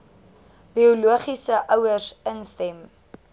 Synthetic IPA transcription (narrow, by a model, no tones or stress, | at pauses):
b̥iuluəχisəʔœwərsənstɛm